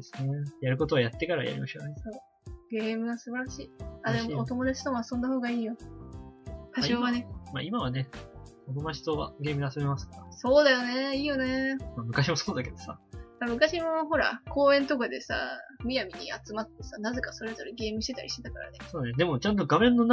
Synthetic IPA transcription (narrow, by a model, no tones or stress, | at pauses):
d̪esɨnejaɾɯ̟ko̞t̪o̞βajat̪ːe̞kaɾa̰ja̰ɾʲḭmaɕioo | ɡe̞ːmɯ̟ɡasɨbaɾaɕiːad̪e̞moːt̪o̞mo̞d̪at͡ɕi̥t̪omoasõ̞nd̪aho̞ːɡaiːjo | kaoβanema̰ːimaβane̞ | onod̪at͡ɕi̥t̪oβa̰ɡe̞ːmɯd̪easome̞masɨ̥kaɾaso̞ːd̪ajo̞ne̞iːjo̞nemamɯ̟kaɕimoso̞ːd̪ake̞d̪osa̰amɯ̟kaɕimo̞ɦo̞ɾa̰ko̞ːẽ̞nt̪o̞kad̪e̞sa̰mʲijamʲiɲ̟ḭat͡sɨmat̪ːe̞sanaze̞kaso̞ɾe̞zo̞ɾeɡe̞ːmɯ̟i̥t̪et̪a̰ɾḭɕit̪et̪akaɾa̰ne̞so̞ːnand̪e̞mo̞t͡ɕãnt̪oɡamẽ̞nːo̞n